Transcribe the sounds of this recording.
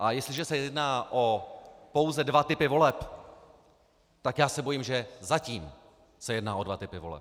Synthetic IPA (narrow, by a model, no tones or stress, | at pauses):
ʔajɛst̪lɪʒɛsɛjɛdnaːʔo̞po̞wzɛdvat̪ɪpɪvo̞lɛp | t̪akjaːsɛbo̞jimʒɛzaciːm | sɛjɛdnaːʔo̞dvat̪ɪpɪvo̞lɛ̰p̚